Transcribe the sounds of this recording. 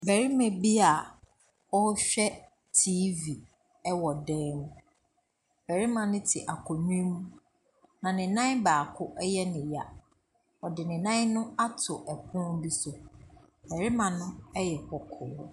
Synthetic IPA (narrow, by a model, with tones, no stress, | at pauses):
bɛ˨ɾi˦mɛ̃˨bi˦a˨ | ɔ˦ɕᶣɛ˦ | tʰiː˦vi˨ | ɛ˦wɔ˨dɛ̃ː˦mũ˦ | bɛ˨ɾi˦mã˨nɪ̃˦tʰɪ˨ʔa˨kʰɔ˨mĩ˦mũ˦ | nã˨nɪ̃˨nã˦baː˨kʰʊ˦ʔɛ˦jɛ˦nɪ̃˨ja˨ | ɔ˨dɪ˨nɪ̃˨nã˦n˦nʊ̃˦a˦tʰʊ˨ʔɛ˨kʰʊ̃˦bi˦sʊ˨ | bɛ˨ɾi˦mã˨nʊ̃˦ɛ˦jɛ˨kɔ˨kʰʊː˨˦